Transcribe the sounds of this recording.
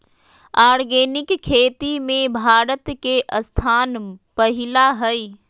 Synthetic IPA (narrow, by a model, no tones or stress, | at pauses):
aːɾɡeːnɪkkʰːeːt̪imẽbʱaːɾət̪keʔəst̪ʰaːnpəɦɪlaɦəi